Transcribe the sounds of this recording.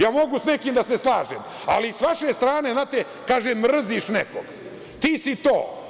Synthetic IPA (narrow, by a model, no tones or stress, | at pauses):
jaːmo̞ɡusnekiːmd̪aseslˠaːʒem | a̰lisʋaʃest̪ɾaːneznaːt̪e | kaːʒemr̩ziʃneko̰ɡ̥ | t̪iːsit̪oː